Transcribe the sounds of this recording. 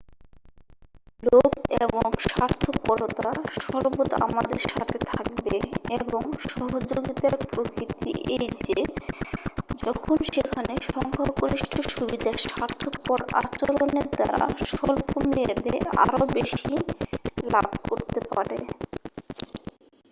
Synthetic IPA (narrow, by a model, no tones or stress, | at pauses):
lokeboŋʃaɾt̪ʰopɔɾot̪aʃɔɾbot̪a̰mad̪eɾʃat̪ʰet̪ʰak̚beeboŋʃɔɦod͡ʑoɡit̪aɾpɾokɾit̪ḭejd͡ʑe | d͡ʑɔkʰonʃekʰaneʃɔŋkʰaɾkoɾiʃʈʰoʃubid̪ʱaʃaɾt̪ʰopɔɾa̰t͡ɕoɾoneɾd̪aɾa̰a̰ʃolpomeed̪ea̰ɾobeʃi | labʱkoɾt̪epa̰ɾḛ